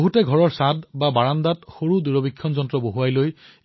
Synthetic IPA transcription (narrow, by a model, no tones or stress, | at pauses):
oɦutɛɡʱɔɹɔɹsadbabaɹandatxoɹuduɹɔbikʰːɔnzɔntɹɔboɦuajloj